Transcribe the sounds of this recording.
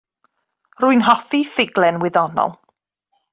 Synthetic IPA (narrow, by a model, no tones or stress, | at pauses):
rʊɨnɦɔfifɪɡlˠɛnwɪðɔnɔ̰lˠ